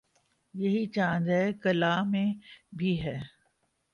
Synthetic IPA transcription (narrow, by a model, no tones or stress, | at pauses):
jɐɦit͡ʃãːnd͡ʒ̪ɦɛkɐlaːmẽbʱiɦɛː